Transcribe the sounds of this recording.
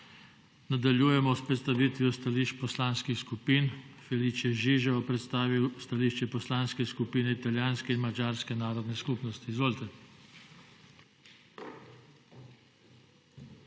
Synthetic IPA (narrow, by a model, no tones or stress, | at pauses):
nad̪aljuːjɛmɔspɾɛt̪st̪aʋiːt̪ʋjɔst̪aliʃt͡ʃpɔslaːnskixskupiːnfɛlit͡ʃjɛʒiʒɛɔpɾɛt̪st̪aːʋiwst̪aliːʃt͡ʃɛpɔslaːnskɛskupiːnɛit̪aljaːnskɛinmad͡ʒaːɾskɛnaːɾɔd̪nɛskupnɔst̪iːzʋoːlt̪ɛ